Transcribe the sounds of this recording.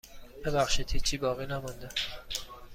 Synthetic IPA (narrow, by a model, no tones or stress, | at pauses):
b̥ebæxʃid̪ʰit͡ʃʰiːbɒːɣinæmund̪æ